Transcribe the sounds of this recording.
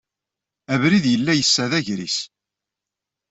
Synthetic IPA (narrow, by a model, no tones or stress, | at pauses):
ævɾiðjəlːæjəsːæðæʝɾḭs